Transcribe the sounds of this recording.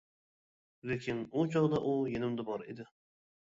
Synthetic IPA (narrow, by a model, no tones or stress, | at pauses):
lekʲʰɪnut͡ʃʰɑʁd̪ɑʔujenɪmd̪ɪbɒɾed̪ɪ